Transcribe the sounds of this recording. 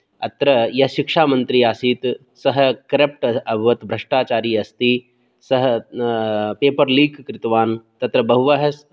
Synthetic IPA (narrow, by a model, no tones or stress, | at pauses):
ɐ̰t̪ɾɐjɐɦʃɪkʂaːmɐnt̪ɾiaːsiːt̪ | sɐɦkɾep̚ʈɐbʱɐʋɐt̪bʱɾɐʂʈaːt͡ʃaːɾiːɐst̪i | sɐɦ | peːpɐɾliːkkɾɪt̪ʋaːnt̪ɐt̪ɾɐbɐɦuʋɐɦɐs